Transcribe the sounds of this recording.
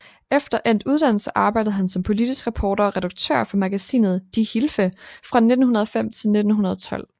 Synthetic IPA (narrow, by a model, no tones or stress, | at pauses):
efd̥ɐʔen̰d̥uð̞ˠd̥æn̰l̩səʔɑ̈ːb̥ɑ̈ɪ̰d̥əð̞̩ˠɦænsɒ̽mpʰo̝lid̥isɡ̥ʁɑpʰɒːɾɐɒ̽ʁɛɾ̥ɑɡ̥̚t͡sʰø̰ːɐ̰fɒ̽mæɡ̥æsḭːnð̩ˠd̥ihilfəfʁɑ̈ne̝d̥n̩hɦunɐð̞ˠɒfem̰t͡sʰe̝lne̝d̥n̩ɦunɐð̞ˠɒt͡sʰɒ̽l̰